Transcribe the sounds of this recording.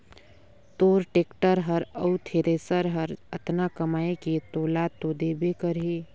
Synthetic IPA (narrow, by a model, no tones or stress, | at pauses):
t̪oːɾʈeːkʈəɾɦəɾəut̪ʰeɾesəɾɦəɾət̪nakəmaːeket̪olat̪od̪ebekəɾɦe